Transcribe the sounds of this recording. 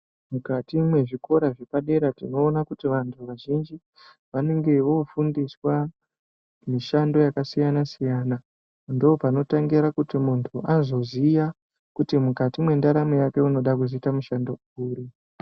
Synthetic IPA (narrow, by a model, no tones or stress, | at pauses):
mukatimwe̞ʐiko̞ɾaʐe̞paɗe̞ɾatino̞ːnakutiʋantʰuʋaʒind͡ʒi | ʋane̞ŋɡe̞ʋo̞fundiswa | miʃando̞jakasijanasijaːna | ndoːpano̞taŋɡiɾakutimuntʰuʔazo̞zija | kutimukatimwe̞ndaɾamejake̞uno̞ɗakuziitamuʃando̞ | uːɾi